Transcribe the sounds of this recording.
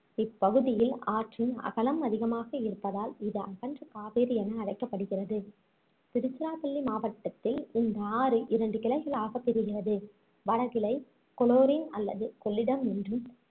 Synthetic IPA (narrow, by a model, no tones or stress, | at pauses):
ɪpːɐɣɯðɪjɪlaːʈrɪnɐ̰ɣɐlɐmɐðɪɣɐmaːɣɐɪɾɯpːɐðaːlɪðɯɐ̰ɣɐndrɐkaːpeːɾɯɛnɐːɽɐɪkːɐpːɐɽɯɣɪrɐðɯ | t̪ɪɾɯt͡ʃːɯɾaːpɐlːimaːʋɐʈːɐt̪ːɪlɪnd̪ɐaːɾɯʔɪɾɐɳɖɯkɪlɐɪɣɐɭaːɣɐp̪ːɛɾɯɣɪrɐðɯ | ʋɐɽɐɣɪlɐɪ | kɔloːɾɪnɐlːɐ̰ðɯkɔɭːɪɽɐmɛndrɯm